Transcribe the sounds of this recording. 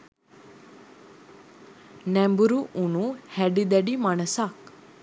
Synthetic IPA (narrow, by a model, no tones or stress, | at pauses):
nɛmbuɾuʔuɳ̃uhɛɖid̪ɛɖimaɳ̃əsak